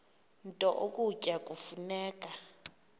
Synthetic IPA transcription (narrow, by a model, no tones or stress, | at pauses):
n̩tʼɔʔokʼucʼakʼufunɛːkʼa